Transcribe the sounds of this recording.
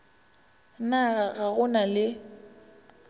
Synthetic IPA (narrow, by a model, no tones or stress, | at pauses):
naɣaɣaɣʊnalɪ